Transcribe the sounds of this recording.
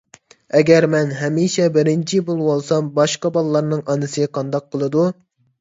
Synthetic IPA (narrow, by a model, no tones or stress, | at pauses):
ɛɡʲɛɾmɛnɦɛmiʃɛbɪɾɪnt͡ʃʰibolˠwolˠsɑmbɑʃqɑbɑlˠɨlːˠɑɾnɨŋɑnɨsɨqʰɑnd̪ɑq̚qəlˠɨd̪u